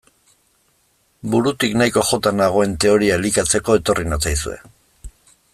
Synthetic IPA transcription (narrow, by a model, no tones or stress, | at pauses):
buɾut̪iknajko̞xo̞t̪anaɣ̞o̞e̞nt̪e̞o̞ɾiaelikat͡se̞ko̞e̞t̪o̞rinat͡sajsue̞̰